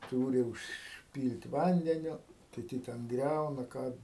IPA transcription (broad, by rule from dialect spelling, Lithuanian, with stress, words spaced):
ˈtuːrʲɪ ʊʃʲˈpʲiːlʲtʲ ˈʋɐnʲdʲɛnʲʊ kʲɪˈtʲɪ tʲɛn ˈɡrʲɛʊnɐ ˈkɑː